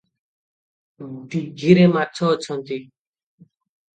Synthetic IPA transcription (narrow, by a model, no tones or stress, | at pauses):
t̪iɡʱiɾemat̚ːt͡ʃʰɔːt͡ɕʰɔnt̪i